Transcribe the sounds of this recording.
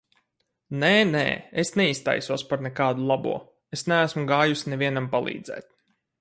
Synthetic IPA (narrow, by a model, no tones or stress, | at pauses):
neːnḛːesnɛist̪a̰jsuɔspaɾnɛkaːd̪ulˠabṵɔ | esnæːsmuɡaːjusnɛviɛnampalˠḭːd̪zɛ̰ːt̪̚